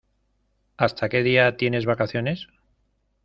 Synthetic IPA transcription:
ast̪ʰake̞ð̞iat̪je̞ne̞zβakaθjo̞ne̞s

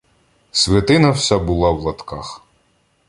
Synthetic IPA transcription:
sʲʋʲɐt̪ɪnɐwsʲabʊlˠɑwlˠɐt̪kɑx

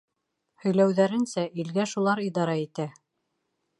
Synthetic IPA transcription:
hɵ̆jlæwðæɾɘ̆nsæʔilɡæʃulˠɑɾid̪ɑɾɑit̪æ

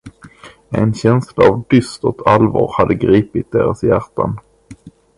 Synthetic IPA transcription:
ɛnɕɛnslaːvd̪ʏst̪ɔt̪ʰalvɑːɾhad̪ːəɡɾiːpɪt̪̚d̪eːɾasjæɾʈ̪ʰːan

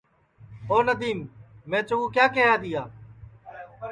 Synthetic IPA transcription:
oːnəd̪iːmːẽːt͡ʃəʋũːkjaːkẽːãːd̪iːaː

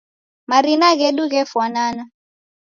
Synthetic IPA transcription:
maɾinaɣeɗuk̬ɛfwanaːna

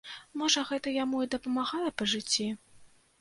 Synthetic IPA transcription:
mɔʐɐɣɛt̪ɐjamuid̪ɐpɐmaɣalˠɐpɐʐɨt͡sʲːi

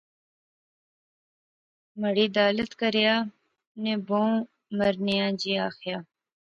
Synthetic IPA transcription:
mɐɽiːd̪aːlət̪kɐɾijaː | nẽbõː | mɐɾnijãːd͡ʑiːaːxijaː

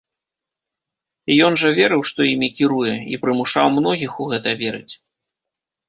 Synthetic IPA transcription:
ijɔnʐɐvʲɛɾɨwʂt̪ɔjimʲikʲiɾujɛḭpɾɨmuʂawmn̪ɔɣʲixuɣɛt̪ɐvʲɛɾɨ̰t͡sʲ

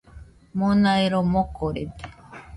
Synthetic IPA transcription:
monaiɾomokoɾet̪e̥

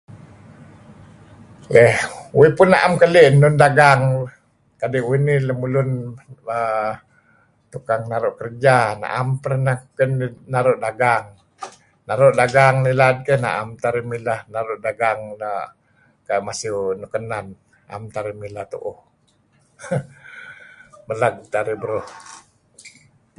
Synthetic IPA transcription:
əhuipʊnːaʔamkəliʔnːʊndaɡaŋ | kadiwiniləmulʊnə | t̪ukaŋnaɾoʔkərəd͡ʒana̰ʔampəɾnakənnaɾʊʔdaɡaŋ | naɾʊʔdaɡaŋnilad̚kəna̰ʔamt̪aɾimilahnaɾʊʔdaɡaŋna | kamasiunukənan | a̰mt̪aɾimilat̪uʔu | məlaɡ̚t̪aɾibəɾoh

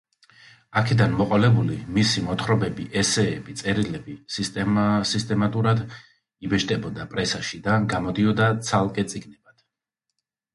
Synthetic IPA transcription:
akʰɛd̪anmɔqʼɔlɛbulimisimɔt̪ʰχɾɔbɛbiʔɛsɛːbit̪sʼɛɾilɛbisisist̪ʼɛmat̪ʼuɾad̪ | ibɛʃt̪ʼɛbɔd̪apʼɾɛsaʃid̪aɡamɔd̪iɔd̪at̪sʰalˠkʼɛt̪sʼiɡnɛb̥ad̪̥

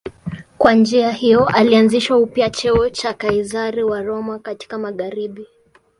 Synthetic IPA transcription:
kwand͡ʒiahijɔʔalianziʃwaupiat͡ʃɛɔt͡ʃakaizaɾiwaɾɔmakati̥kamaɣaɾiɓi

